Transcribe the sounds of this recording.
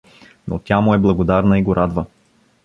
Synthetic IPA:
no̰t̪ʲamʊɛblˠɐɡod̪aɾnəiɡoɾʔad̪və

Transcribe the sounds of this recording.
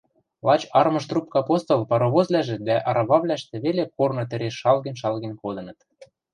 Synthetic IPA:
lˠɑt͡ɕɑrmɤ̆ʃt̪rup̚kɑɑpost̪olˠpɑɾoβozlæʒɘ̆t̪d̪æʔɑɾʔɑβɑβlʲæʃt̪ĕβelekornŏt̪ɘ̆ɾeʃɑlɣə̆nʲʃɑlɣĕnʲkod̪ɤ̆nɤ̆t̪

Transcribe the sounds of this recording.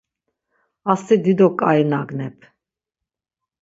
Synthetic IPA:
ast̪ʰid̪id̪ɔkʼainaɡnɛpʰ

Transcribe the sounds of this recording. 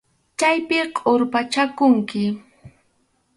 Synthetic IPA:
t͡ʃajpɪqʼoɾpat͡ʃakʊŋkɪ

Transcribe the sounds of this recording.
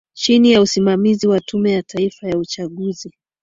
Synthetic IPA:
t͡ʃinijausimamiziwatʰumɛjatʰaifajaut͡ʃaɠuzi

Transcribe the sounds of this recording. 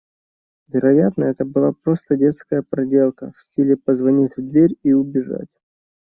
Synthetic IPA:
vʲɪɾɐjat̪nəɛt̪əbɨlˠapɾo̞st̪ədʲe̞t̪skəjəpɾɐdʲe̞lˠkəfsʲtʲilʲɪpəzvɐnʲitʲvd̪vʲeɾʲiʊbʲɪʐa̰tʲ

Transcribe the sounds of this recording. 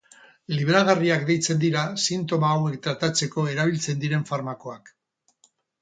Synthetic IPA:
liβeɾaɣ̞ariakd̪e̞jt͡se̞nd̪iɾasint̪̬o̞maːwe̞kt̪ɾat̪at͡se̞ko̞e̞ɾaβ̞ilt͡se̞nd̪iɾe̞ɱfaɾmako̞ak

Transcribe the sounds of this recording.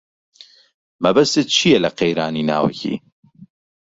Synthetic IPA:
mɐbɐst̪et̪̚t͡ʃʰijɛlɐqejɾaːnina̰ːwɐ̰cʰḭː

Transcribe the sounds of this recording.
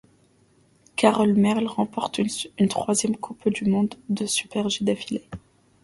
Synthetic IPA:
kaʁɔlmɛʁlʁɑ̃pɔʁt̪ynt̪χwazjɛmkʰupd̪ymɔ̃d̪ːəsy̥pɛʁʒid̪afile

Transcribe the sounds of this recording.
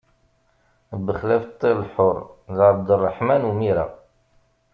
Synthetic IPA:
bəχlæft̪ˤːilħʊɾˤðəɾˤd̪ərˤːəħmænumiɾa̰

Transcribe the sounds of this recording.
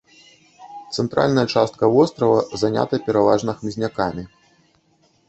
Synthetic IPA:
t̪sɛnt̪ɾʔa̰lʲnɐjɐt͡ʂast̪̚kɐvɔst̪ɾɐvɐzanʲa̰t̪ɐpʲɛɾava̰ʐnɐxmʲizʲnʲakamʲi

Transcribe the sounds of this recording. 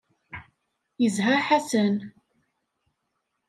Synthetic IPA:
jəzɦəɾħasən

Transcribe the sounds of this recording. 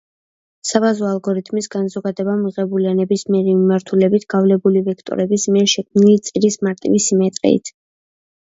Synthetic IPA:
sabazɔalˠɡɔɾit̪ʰmisɡanzɔɡad̪ɛbamiʁɛbulianɛbismiɛɾɛmimaɾt̪ʰulɛbit̪ʰɡ̥avlɛbulivɛkʰt̪ʼɔ̰ɾɛbismiɛɾʃɛkʰmnilit̪sʼiɾismaɾt̪ʼḭvisimɛt̪ʼɾɛ̰ḭt̪ʰ

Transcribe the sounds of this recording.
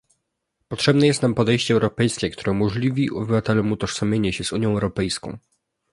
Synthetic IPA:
pɔtʂɛbnɛjɛst̪nampɔd̪ɛjɕt͡ɕɛːɛwɾɔpɛjskʲɛkt̪uɾɛmɔʐlʲivʲiʔɔbɘvat̪ɛlɔmut̪ɔʂsɔmʲjeɲɛɕɛzuɲjɔ̃w̃ɛwɾɔpɛjskɔ̃w̃

